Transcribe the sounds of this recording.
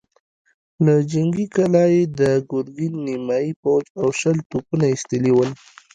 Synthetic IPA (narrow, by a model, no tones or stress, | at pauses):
lad͡ʒaŋɡikalɑjed̪əɡʊɾɡinːimɑjipawd͡ʒawʃəlt̪upunaist̪əliwəl